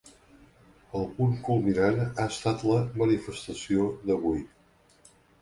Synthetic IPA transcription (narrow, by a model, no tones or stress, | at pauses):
əlˠpuŋkulˠminanaəst̪at̪ləmənifəst̪əsioðəβ̞uj